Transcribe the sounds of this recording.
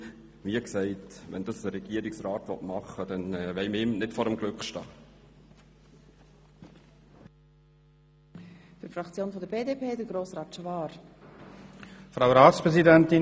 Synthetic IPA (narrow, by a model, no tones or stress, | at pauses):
ʋiːksɛɪtʋɛ̰ndɑsdəɾɛɡ̥iəɾɪksraːtvɔ̰tmɑχəd̥ɛnːvɛɪmɪmnɪtfɔɾəmɡ̥lʏkχʃtɑ̰ː | fyɾfɾɑkt͡sjoːnfɔdəbeːdepʰeːdəɡɾoːsraːtʃvɑːɾ | fɾawɾaːtspɾɛsidɛntɪ